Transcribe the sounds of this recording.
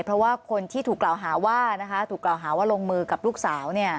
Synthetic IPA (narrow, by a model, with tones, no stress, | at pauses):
pʰɾɔ˦˥waː˥˩kʰo˧nt̪ʰiː˥˩t̪ʰuː˨˩kːlaː˨˩wɦaː˩˦waː˥˩na˦˥kʰa˦˥t̪ʰuː˨˩klaː˨˩wɦaː˩˦waː˥˩loː˧ŋmɯː˧ka˨˩p̚luː˥˩k̚saː˩˦wni˥˩ɐ